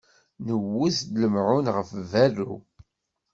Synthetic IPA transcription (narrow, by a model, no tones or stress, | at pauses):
nəwːuθd̪ləmʕʊnʁəfværːu